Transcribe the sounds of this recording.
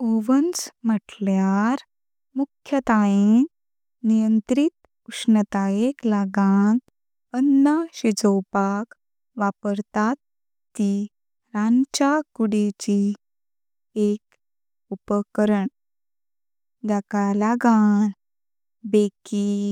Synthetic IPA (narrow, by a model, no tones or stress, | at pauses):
oʋənt͡sməʈljaɾ | mukʰːjət̪aen | nijənt̪ɾit̪ | uʂnət̪ajeklaɡan | ənːaɕed͡zəwpak | ʋapəɾt̪at̪ː | i | ɾant͡ɕakuɽet͡ɕi | ek̚ | upəkɾəɳ | d͡ʑakalaɡan | beki